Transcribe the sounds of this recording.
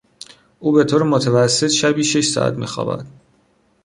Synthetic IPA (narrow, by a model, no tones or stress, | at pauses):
ʔuːbe̞t̪ʰoːɾemot̪ʰevæsːet̪ʃæbiːʃe̞ʃsɒ̰ːʔæ̰t̪mḭːxɒ̰ːbæ̰d̪̥